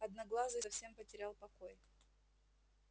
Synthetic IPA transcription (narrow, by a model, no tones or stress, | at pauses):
ɐd̪nɐɡlˠazəsɐfsʲe̞mpətʲɪɾʲalˠpɐkoj